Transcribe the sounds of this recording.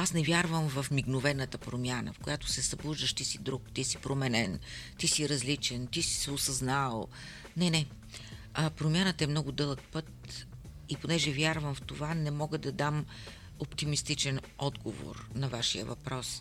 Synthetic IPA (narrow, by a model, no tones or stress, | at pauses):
asnɛvʲjaɾvəmvɐfmiɡnovɛnːət̪əpɾomʲjanə̰fkojat̪ʊ̥sɛsɐblˠuʒd̪əʃt̪isid̪ɾukt̪isi̥pɾomɛnɛnt̪isiɾɐzlit͡ʃɛnt̪isi̥sɛosɐznalˠ | nɛnɛ | əpɾomʲjanət̪əɛmnɔɡʊd̪ɤlˠək̚pɤt̪̚ | iponɛʒɛvʲjaɾvəmft̪ovanɛmɔɡəd̪ɐd̪am | opt̪imist̪it͡ʃɛn | ɔd̪ɡovo̰ɾnɐvaʃḭjə̰vɐpɾɔs